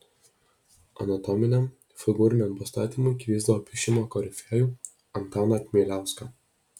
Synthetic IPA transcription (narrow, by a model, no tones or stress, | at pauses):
ɐ̰nɐt̪ɔmʲɪnʲɛm | fʲɪɡʊɾʲɪnʲɛmpɐst̪ɑːt̪ʲiːmʊɪkʋʲiːzd̪ɐʋoːpʲɪʃʲɪmoːkɔɾʲɪfʲæːjuː | ɐnt̪ɑːnɐt̪ʲmʲeːlʲæˑʊskɑ